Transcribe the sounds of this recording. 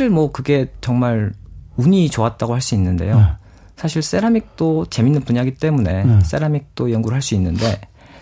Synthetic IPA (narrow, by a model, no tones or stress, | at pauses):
ɾɯɭmwʌkɯɡe̞t͡ɕʌŋmaɾuɲit͡ɕoat̚t͈aɡohaɭs͈uinːɯnde̞̰jo | sʰaɕʰiɭs͈eɾamik̚t͈ot͡ɕe̞minːɯnpuɲaɡit͈e̞mune̞s͈e̞ɾamik̚t͈ojʌŋɡuɾɯɭɦaɭs͈uinːɯnde̞